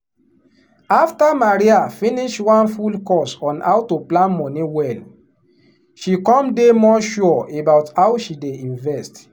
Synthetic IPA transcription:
aftamaɹiafĩniʃwãnfulkɔsɔ̃na̰wtuplãnmɔniwɛl | ʃikɔ̃mdemɔʃuebaʊthaʊʃideĩnvɛst

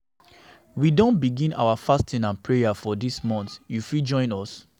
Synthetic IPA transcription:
widõnbiɡĩna̰ʊafastʰĩnãnpʰɹejafɔdismɔ̃nθjufid͡ʒɔ̃ɪ̃nɔs

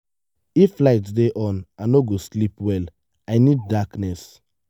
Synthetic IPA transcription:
iflaɪtsdeʔɔ̃nanoɡoslipwɛl | aɪnid̚daknɛs

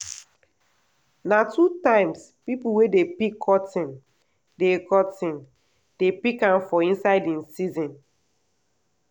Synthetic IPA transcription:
natutãɪ̃ms | pipuwedepikʰːɔtĩn | dekɔtĩn | d̥epikãmfɔĩnsaɪdĩnsizɔ̃n

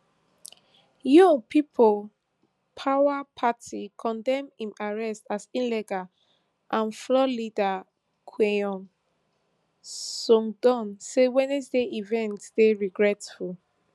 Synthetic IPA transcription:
jɔŋpʰipʰol | pʰawapʰatʰikʰɔ̃ndɛ̃mhĩmaɹɛstasĩnlɛɡa | ʔãnflɔlida | kʰweɔ̃n | sɔ̃ŋdɔ̃nsewɛ̃nesdeivɛ̃ntd̥eɹiɡɹɛtful

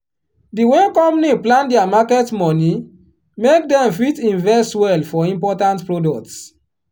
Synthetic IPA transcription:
diwekɔ̃mpniplãndɛamakɛtmɔni | mek̚dɛ̃mfitĩnvɛstwɛlfɔĩmpɔtãntpɹodɔk̚ts

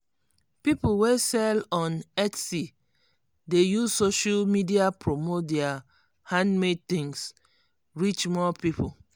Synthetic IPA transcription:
pipulwesɛlɔ̃nɛtsi | dejuzsoʃalmidiapɹomot̚dɛa | hãndmed̚t̪ĩŋs | ɹit͡ʃmɔpipʰu

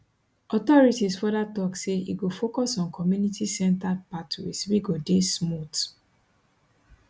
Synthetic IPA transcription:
ɔtɔɹitisfɔdatɔkseḭɡofokɔsɔ̃nkʰɔmjunitisɛ̃ntapatʰḭswiɡodesmut

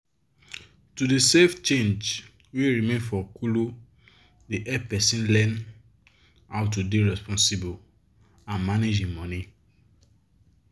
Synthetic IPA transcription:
tudeseft͡ʃẽnd͡ʒ | weɹimẽnfɔkulu | diʔɛpɛsĩnlɛ̃n | aʊtudeɹɛspɔ̃nsibo | ãnmaned͡ʒĩmɔ̃ni

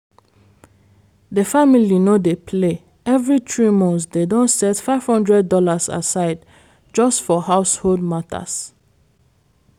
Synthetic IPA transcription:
dəfamilinod̪epʰle | ɛvɹit̪ɹimɔ̃nsd̪edɔ̃nsɛtfaɪv̥hʌ̃ndɹɛd̚ːɔlasa̰saɪd | d͡ʒʌstfɔɦaʊsholdmatʰə̰s

